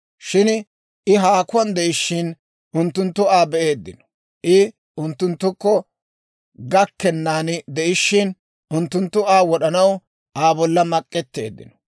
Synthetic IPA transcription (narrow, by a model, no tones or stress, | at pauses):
ʃɪn | ɪɦaːkʊɐnd̪ɛʔɪʃːɪn | ʊnt̪ːʊnt̪ːʊaːbɛʔeːd̪ːɪ̰nɔ̥ | ʔɪ | ʊnt̪ːʊnt̪ːʊkːɔ | ɡɐkːɛnːaːnd̪ɛʔɪʃːɪn | ʊnt̪ːʊnt̪ːʊaːwɔɗɐnɐw | ʔaːbɔlːɐmɐkʼːɛt̪ːe̞̰ːd̪ːɪ̰nɔ̥